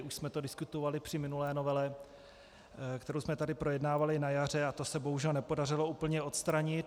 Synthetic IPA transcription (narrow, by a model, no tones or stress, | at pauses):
ʔuʃsmɛt̪o̞dɪskut̪ovalɪpr̝̥ɪmɪnulɛːnovɛlɛ | kt̪ɛɾowsmɛt̪adɪpɾo̞jɛdnaːvalɪnajar̝ɛat̪o̞sɛboɦuʒɛlnɛpo̞darɪlo̞uːpl̩ɲɛo̞t̪st̪ɾaɲɪt̪